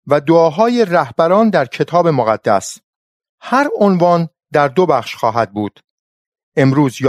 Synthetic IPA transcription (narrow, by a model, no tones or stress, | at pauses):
væd̪oɒːɦɒːjeræhbæɾɒːnd̪æɾcʰe̞t̪ʰɒːbe̞moɣæd̪̥ːæs | hæɾonvɒːn | d̪æɾd̪o̞bæxʃxɒːɦæd̪̚buːd̪̥ | ʔe̞mɾuːzj